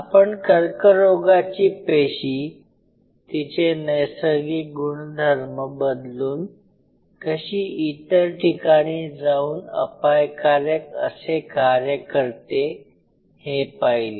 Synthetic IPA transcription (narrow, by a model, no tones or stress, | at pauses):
apəɳkəɾkəɾoɡat͡ɕiːpeɕiː | t̪it͡ɕenəjsəɡiːɡuɳd̪ʱəɾməbəd̪luːn | kəɕiːit̪əɾʈʰikaɽ̃iːd͡zauːnə̰pajkaɾjəkə̰sekaɾjəkəɾt̪e | hepajliː